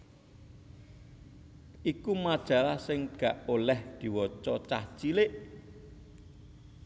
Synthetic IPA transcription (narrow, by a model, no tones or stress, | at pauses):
ʔikumad̥ʒ̥ä̤lahsɪŋɡ̥ä̤ʔolɛhd̪̥i̤wɔt͡ʃɔt͡ʃaht͡ʃileʔ